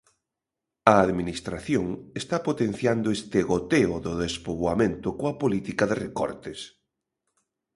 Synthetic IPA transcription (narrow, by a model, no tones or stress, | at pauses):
ɐːðminist̪ɾaθjoŋest̪apot̪en̟θjand̪ʊest̪eɣot̪eʊðʊðespoβwamẽnt̪ʊkoɐpolit̪ikɐðerekɔ̰ɾt̪es